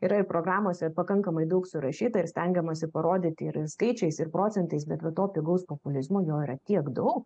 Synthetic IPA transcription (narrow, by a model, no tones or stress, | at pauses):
iɾɐɪɾpɾoːɡɾɑːmoːsʲɛpɐkɐŋkɐmɐɪd̪ɐʊksʊɾɐʃʲiːt̪ɐɪɾsʲt̪ʲɛŋʲɡʲɛmɐsʲɪpɐɾoːd̪ʲɪːt̪ʲɪɾskɐɪt͡ʃʲɛɪsɪɾpɾoːt͡sʲɛnt̪ɐɪsbʲɛt̪ʋɐt̪oːpʲɪɡɐʊspoːpʊlʲɪzmoːjoːiːɾɐt̪ʲiɛkd̪ɐʊk